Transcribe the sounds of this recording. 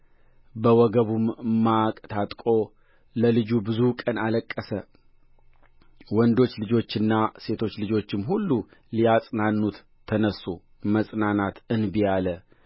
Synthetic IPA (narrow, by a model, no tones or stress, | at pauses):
bəwɔɡəβumːakʼt̪ʰat̪ʼkʼo̞ | ləlɨd͡ʒubɨzukʼənaləkʼːəsə | wɔnd̪o̞t͡ʃːlɨd͡ʒo̞t͡ʃːɪnːase̞t̪ʰo̞t͡ʃːlɨd͡ʒo̞t͡ʃːɪmɦulːu | lijasʼnanːut̪ʰː | ənəsːu | məsʼnanat̪ɨnbijalə